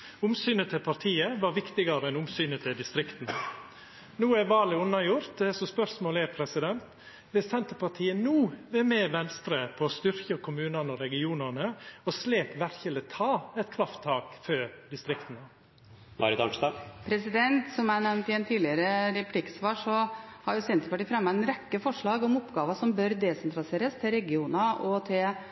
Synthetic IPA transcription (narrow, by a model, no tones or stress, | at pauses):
ʊmsyːnət̪ʰɪlpʰɑɾt̪ʰiːəʋɑɾʋɪkt̪ɪɡɑɾəɛnʊmsyːnət̪ʰɪld̪ɪst̪ɾɪkt̪n̩ | nuːæʋɑːlɪʊnːɑjʊɾt̪ɛsɔspœɾsmoːlɛpʰɾɛsɪd̪ɛnt̪ | ʋ̪ɪsɛnt̪əpɑt̪ʰiːənuːʋɛmɛːʋɛnst̪ɾəpʰɔːst̪ʏɾkəkʰʊmʉːnɑnəɔɾɛɡɪuːnənəɔsleːkʋæɾçələt̪ʰɑːɛt̪̚kʰɾɑft̪ʰːɑːkfød̪ɪst̪ɾɪkt̪ən̩ə | mʔɑ̰ɾɪt̪ɑ̰nt̪ɑpʰɾɛsɪd̪ɛnt̪sɔmænɛʋnt̪ɪɛnt̪ʰiːlɪəɾəɾɛpʰlɪksʋɑːʂɔhɑɾjʊsɛnt̪əpɑʈiːfɾɑmːɛnɾɛkːəfɔʂɭɑːɡɔmʊpɡɑːʋɑʂɔmbœɾd̪ɛsɛnt̪ʰɾɑlɪseːɾəst̪ʰɪlɾɛɡɪuːnɑʔɔt̪ʰɪl